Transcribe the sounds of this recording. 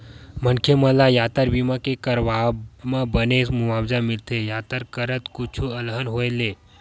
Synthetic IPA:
mənkʰeməlajaːt̪əɾbimakekəɾʋabmãbənesmuʋabd͡ʒamɪlt̪ʰejaːt̪əɾkəɾət̪kut͡ʃʰuəlɦənɦoele

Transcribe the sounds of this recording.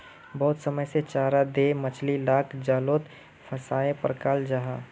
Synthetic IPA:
bɐɦʊt̪səməjset͡ʃaːɾad̪emət͡ʃʰlilaːkʰd͡ʒaːloːt̪ | pʰəsaːepəɾkaːld͡ʒaɦaː

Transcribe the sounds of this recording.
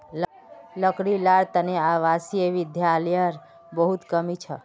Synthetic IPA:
ləkɽilaɾt̪əneaʋasieʋid̪ʱjalijəɾ | bəɦut̪kəmit͡ʃʰə

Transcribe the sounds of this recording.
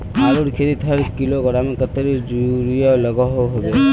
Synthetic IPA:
aɾuɾkʰet̪it̪ʰɾkiloɡɔɾamekɔt̪ɔɾid͡ʒuɾijɔlɔɡɔɦoɦobe

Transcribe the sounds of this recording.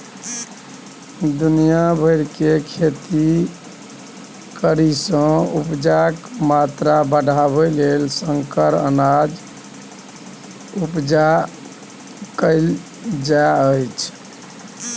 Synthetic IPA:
d̪unijabʱəjɾkekʰet̪i | kəɾisə̃upd͡ʒakmat̪ɾabəɖʱabəlelsəŋkəɾə̰nad͡ʒ | upd͡ʒa | kəɪl | d͡ʒaəjt͡ʃʰ

